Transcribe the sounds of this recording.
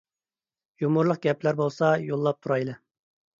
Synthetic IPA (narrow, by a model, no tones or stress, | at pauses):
jumuɾlˠəq̚ɡʲɛplæɾbolˠsɑjolˠːɑp̚t̪ʰuɾɑjlˠɨ